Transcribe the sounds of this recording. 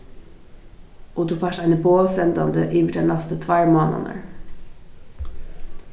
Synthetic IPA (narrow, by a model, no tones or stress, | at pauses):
ʔoːd̪ʉːfɑːʃæɪnəboːsɛnd̪ɑnd̪əʔiːmədɛnlɑst̪ət̪ʰʋæɹmɑːnɑ̰nə̰ɾ